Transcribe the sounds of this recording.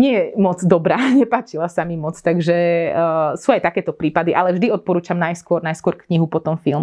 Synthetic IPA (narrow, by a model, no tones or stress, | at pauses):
ɲɪɛjɛmɔd͡zd̪ɔbɾaːɲɛpaːt͡ʃilasamimɔt͡st̪aɡʒɛ | suːajt̪akɛːt̪ɔpɾiːpad̪iʔalɛvʒd̪iɔt̪̚pɔɾuːt͡ʃamnajskʊɔɾnajskʊɔɾkɲiɦupɔt̪ɔmfilˠm